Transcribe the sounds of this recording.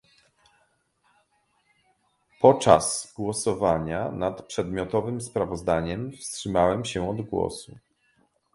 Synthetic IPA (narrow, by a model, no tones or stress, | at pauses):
pɔt͡ʂa̰z̥ɡwɔsɔvaɲanat̪pʂɛd̪mʲjɔt̪ɔvɘmspɾavɔzd̪aɲɛmfstʂɘmawɛmɕɛɔd̪ɡwɔ̰su